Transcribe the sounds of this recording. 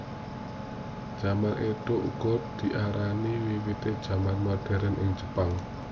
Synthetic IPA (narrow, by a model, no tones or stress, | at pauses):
d̥ʒ̥a̤manʔet̪oʔṵɡ̥ɔ̤t̪̚d̪̥i̤ʔaɾaniwiwit̪ed̥ʒ̥a̤manmad̪̥ɛ̤ɾɛnʔɪ̰ŋ̥d͡ʒə̤paŋ